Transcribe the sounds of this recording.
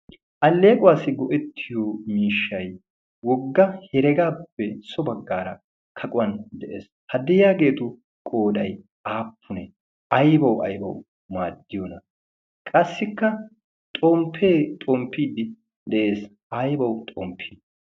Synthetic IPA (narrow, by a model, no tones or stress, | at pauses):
ʔɐlːe̞ːkʼʊwaːsɪɡɔʔɛt̪ʰːɪjomiːʃːɐj | wɔɡːɐhɛɾɛɡaːpːɛsɔbɐɡːaːɾɐ | kʰɐkʼʊwɐnd̪ɛʔḛːs | hɐd̪ɛjjaːɡe̞ːt̪ʊ | kʼoːdɐj | aːpʰːʊnɛ | ʔɐjbɐwɐ̰jbɐ̰w | maːd̪ːɪjonɐ | kʼɐsːɪkːɐ | t̪ʼɔmpʰe̞ːt̪ʼɔmpːiːd̪ɪ | d̪ɛʔe̞ːs | ɐjbɐwt̪ʼɔmpʰːiː